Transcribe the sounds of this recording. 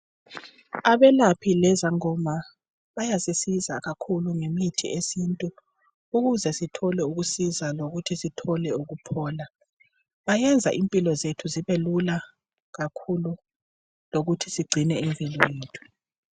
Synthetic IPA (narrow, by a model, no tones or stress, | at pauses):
aβɛlapʰilɛzaŋɔma | βajasisiza̰ɣakʰuluŋemitʰḭesintʼu | uɣuzɛsitʰɔlɛuɣusizaloɣutʰisitʰɔlɛuɣupʰɔːla | βajɛnd͡zʱa̰ʔimpʼilɔzetʰuziβelula | ɣakʰulu | loɣutʰisiɡ͡ǀʱinɛiɱvʼilɔjeːtʰu̥